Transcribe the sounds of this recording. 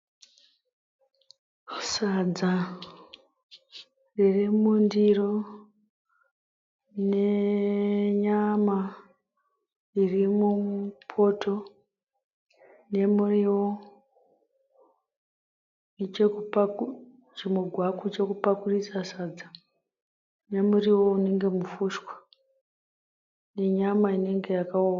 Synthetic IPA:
sad͡za | ririmundiro | ne | ɲama | irimupʰo̞tʰo̞ | ne̞muriwo | nt͡ʃekupaku | t͡ʃimwuɡʱwakut͡ʃe̞kupakurisasad͡za | ne̞muriwo̞une̞ŋɡe̞mufuʃkwḁ | ne̞ɲamaine̞ŋɡe̞jakauw

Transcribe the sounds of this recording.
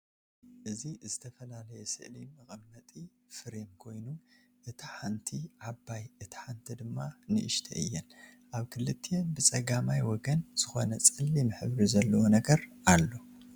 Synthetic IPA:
ʔɨzizɨt̪ʰɐfɐlalɐjɛsɨ̰ʔlimɨχʼɨmːɐt̪ʼi | fɨɾemkʰo̞jnu | ʔɨt̪ʰiħant̪ʰiʕabːajɨt̪ʰi̥ħant̪ʰid̪ɨmːanɨʔɨʃt̪ʰɐ̰ʔɨ̰jːɛn | ʔaβkʰɨlɨt̪ʰːejenbɨt͡sʼɐɡamajwɔɡɐnz̥ɨxo̞̰nɐt͡sʼɨlːimɨħɨβɾizɐlːɐwonɐɡɐɾalːo̞

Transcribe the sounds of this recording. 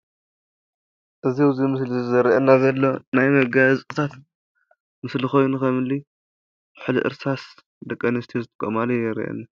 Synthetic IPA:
ʔɨziwzimɨslizɨzɐɾiʔɐnːazɐlːo̞najmɐɡazʼɨt̪ʰat̪ | mɨslixo̞jnukɐmɨlːi | bħɨlḭʔɨ̰ɾsas | d̪ɐkʼːɐnɐst̪ʰijozɨt̪ʰɨ̥kʼɐmalɐjɛɾḭʔɐ̰nːa

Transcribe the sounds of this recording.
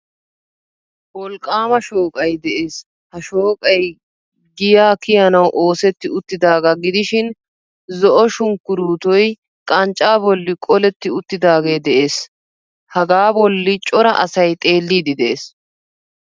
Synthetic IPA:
wɔlkʼːaːmɐʃoːkʼɐjd̪ɛʔeːs | hɐʃo̞ːkʼɐj | ɡɪjaːkɪjɐnɐwʔo̞ːsɛt̪ːɪʊt̪ːɪd̪aːɡɐɡɪd̪ɪʃɪn | zɔʔɔʃʊŋkːʊɾuːt̪ɔj | kʼɐnt͡ʃʼːaːbɔlːɪkʼɔlɛt̪ːɪʊt̪ːɪd̪aːɡeːd̪ɛʔe̞ːs | hɐɡaːbɔlːɪt͡ʃʼɔɾɐ̰ʔɐsɐjt̪ʼe̞ːlːiːd̪ɪd̪ɛeːs

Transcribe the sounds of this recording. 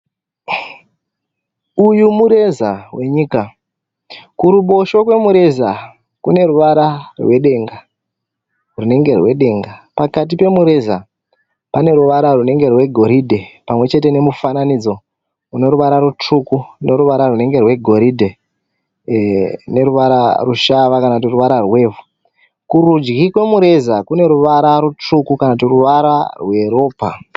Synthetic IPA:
ujumuɾe̞zawe̞ɲiːka | kuɾuɓo̞ʃo̞kwe̞muɾe̞za | kune̞ɾuʋaɾarwe̞ɗe̞ŋɡa | rune̞ŋɡe̞rwe̞ɗe̞ŋɡapakat̬ipe̞muɾe̞za | pane̞ɾuʋaɾarune̞ŋɡe̞rwe̞ɡʱo̞ɾidʱe̞pamwe̞t͡ʃe̞te̞ne̞mufananid͡zo̞ | une̞ɾuʋaɾaɾut͡ʂukune̞ɾuʋaɾarune̞ŋɡe̞rwe̞ɡʱo̞ɾidʱe̞ | ne̞ɾuʋaɾaruʃaʋakanautiruʋaɾarwe̞ːvu | kurud͡ʒɡikwe̞muɾe̞zakune̞ɾuʋaɾaɾut͡ʂukukanautiruʋaɾarwe̞ɾo̞ːpa

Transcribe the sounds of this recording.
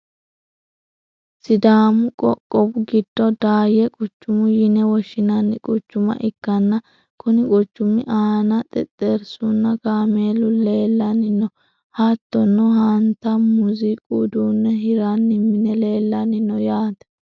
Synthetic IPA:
sɪd̪aːmʊkʼɔkʼːɔbʊɡɪd̪̥ːɔd̪aːjɛkʼʊt͡ʃːʊmʊjɪnɛwɔʃːɪnɐnːɪkʼɔt͡ʃːʊmɐ̰ʔɪkːɐnːɐ | kʰʊnɪkʼɔt͡ʃːʊmɪʔaːnɐt̪ʼɛt̪ʼːeɾsunːɐɡaːmeːlʊle̞ːlːɐnɪnːɔ | hat̪ːɔnːɔɦant̪ːɐmʊzɪkʼud̪uːnːɛɦɪɾanːɪmːɪnɛle̞ːlːɐnɪnːɔjaːt̪ɐ̥

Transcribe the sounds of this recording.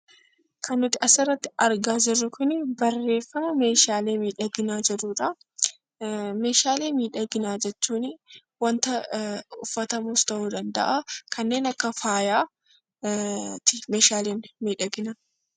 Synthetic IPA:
kʰɐnːʊt̪ːɪʔɐsɪrːɐt̪ːɪɐɾɡaːd͡ʒɪrːʊkʊnɪbɐrːe̞ːfːɐmɐme̞ːʃaːle̞ːmiːᶑɐɡɪnaːd͡ʒɛɾuːᶑɐ | me̞ːʃaːle̞ːmiːᶑɐɡɪnaːd͡ʒɛt͡ʃːuːnɪ | wɐnt̪ɐʊfːɐt̪ɐmuːst̪ɐhuːd̪ɐnd̪ɐ̰ʔakʰɐnːe̞ːnɐkːɐfaːjaː | t̪ɪmeːʃaːleːnmiːᶑɐɡɪna

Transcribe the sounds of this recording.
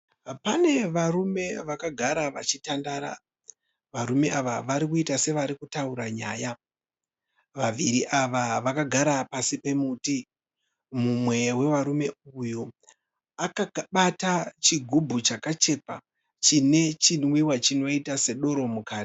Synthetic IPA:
pane̞ʋarume̞ʋakaɡʱaɾaʋa̰t͡ʃitandaɾa̰ | ʋaɾume̞ʔaʋaʋaɾikuitase̞ʋaɾikutauɾaɲaːja | ʋaʋiɾiʔaʋaʋakaɡʱaɾapasipe̞muti | mumwe̞we̞ʋaɾume̞ujo | akakɓatat͡ʃiɡʱubʱut͡ʃakat͡ʃe̞pa̰ | t͡ʃine̞t͡ʃinwiwat͡ʃino̞itase̞ɗo̞ɾo̞mukaːti̥

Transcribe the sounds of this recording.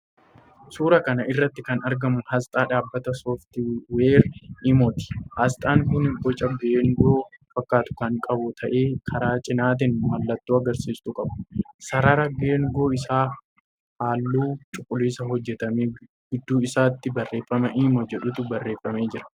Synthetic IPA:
suːɾɐkɐnɐʔɪrːɐt̪ːɪkɐnɐɾɡɐmʊhɐst̪ʼaːᶑaːbːɐt̪ɐsɔːft̪ɪweːɾʔɪmɔt̪ɪ̥hɐst̪ʼaːŋkʊnɡɔt͡ʃʼːɐɡeːŋɡo̞ːfɐkːaːt̪ʊ̥kɐŋkʼɐbʊt̪ʰɐʔe̞ːkʰɐɾaːt͡ʃʼɪnaːt̪̬ɪnmɐlːɐt̪ːuːɐɡɐɾsiːst̪ukʼɐbʊ̥sɐɾɐɾɐɡe̞ːŋɡo̞ːɪsaː | haːlːuːt͡ʃʼʊkʼːʊliːsɐɦɔd͡ʒːɛt̪ɐmeː | ɡʊd̪ːuːɪsaːt̪ːɪbɐrːe̞ːfɾɐmɐʔɪmɔd͡ʒɛᶑʊt̪ʊbɐrːe̞ːfɾɐme̞ːd͡ʒɪɾɐ̥

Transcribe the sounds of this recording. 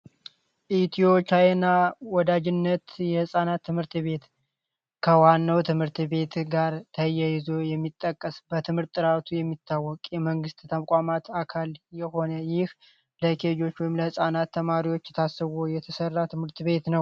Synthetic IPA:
ʔit̪ʰio̞t͡ʃanːawɔd̪ad͡ʒɪnːət̪jɛhɨsʼanat̪ːɨmhɨɾt̪βe̞t̪ | kʰəwanːəwt̪ʰɨmhɨɾt̪βe̞t̪ɡaɾt̪ʰəjːajɪzo̞jɛmːit̪ʼːəkʼːəsbət̪ʰɨmhɨɾt̪ʼːɨɾat̪ʰujɛmːit̪ʰːawːɔkʼjɛməŋɡɨst̪t̪ʰəmkʼamat̪akʰaljɛho̞nəjɪh | ləkʰed͡ʒo̞t͡ʃːwɔjɪmləhɨsʼanat̪ʰːəmaɾiwo̞t͡ʃːɛt̪ʰasːəβojɛt̪ʰəsərːat̪ʰɨmhɨɾt̪βe̞t̪nəw

